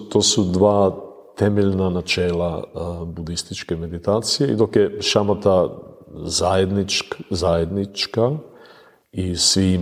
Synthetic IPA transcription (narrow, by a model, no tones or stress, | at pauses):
t̪oːsud̪ʋaː | t̪emeʎnanat͡ʃeːlˠabud̪ist̪it͡ʃkeme̞d̪it̪aːt̪sijeḭd̪o̞kjeʃamat̪a | zajed̪nit͡ʃzajed̪nit͡ʃka | isʋi